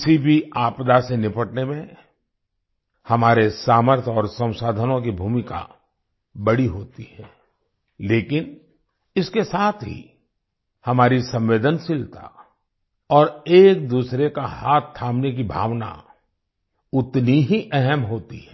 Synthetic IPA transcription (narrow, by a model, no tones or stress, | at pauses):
ɪsibʱiaːpd̪asenɪpəʈnemẽ | hɐmaːɾesaːməɾt̪ʰɔːɾsə̃w̃saːd̪ʱənõk̬ibʱuːmɪka̰ | bɐɽiɦoːt̪iɦɛː | leːkɪn | ɪskesaːt̪ʰɦḭ | hɐmaːɾisɐ̃mʋeːd̪ənsɪlt̪a̰ | ɔːɾeːk̚d̪uːsɾekahaːt̪ʰːaːmnek̬ibʱa̰ːʋna̰ | ʊt̪niɦiʔɛɦɛmɦoːt̪iɦɛː